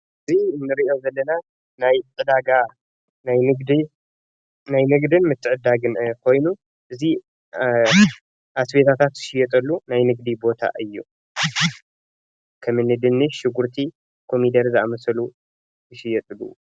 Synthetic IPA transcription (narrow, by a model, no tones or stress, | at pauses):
ʔʔɨziɨnːɨɾiʔo̞zɐlːɐna | najʕɨd̪aɡa | najnɨɡd̪i | najnɨɡd̪ɨnmɨt̪ʰːɨʕɨd̪aɡɨnkʰo̞jnu | ʔɨzi | ʔasbe̞t̪ʰat̪ʰat̪zɨ̥ʃɪjːɛt̪ʼɐlːunajnɨɡd̪ibo̞t̪ʰa̰ʔɨjːu | kʰɐmɨnːɨd̪ɨnːɨʃːɪɡuɾt̪ʰi | kʰo̞mid̪ɐɾzɨamɐsɐlu | zɨʃɪjɛt̪ʼɨlːṵ